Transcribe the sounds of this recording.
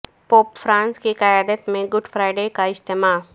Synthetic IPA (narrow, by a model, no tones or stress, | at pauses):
poːpfɾãːnskiqajaːd̪ət̪mẽɡʊɖfɾaːɪɖekaɪʃt̪emaːɦ